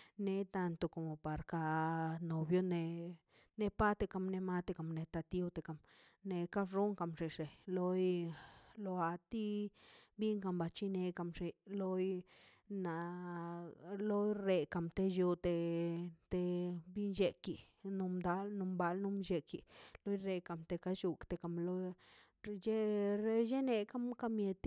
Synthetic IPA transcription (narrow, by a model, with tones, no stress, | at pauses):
ne˧t̪a˧nt̪o˧ko˨mo˨pa˨ɾka˧no˨bjo˦ne˧ | ne˧pa˦t̪e˧ka˧˨mne˧ma˦t̪e˧ka˨mne˧t̪a˧t̪i˦wt̪e˨ka˨m | ne˧ka˦bʐo˦ŋka˨mʐi˨ʂe˨lo˦j | lo˧a˧t̪i˦bi˦ŋka˧mba˧˨t͡ʃi˦ne˧ka˧mʂe˧lo˦j | na˨ | lo˦jɾe˧ka˨mt̪e˧ju˧t̪e˧t̪e˧bi˦nd͡ʒe˧ki˧˨ | nu˧md̪a˦lnu˧mba˧lnu˧mʃe˧ki˨lo˦jɾe˧ka˨mt̪e˧ka˦ʃu˧kt̪e˧˨ka˨mlo˦˧ | je˦ɾe˦˧je˦ne˧ka˦mka˦mje˧t̪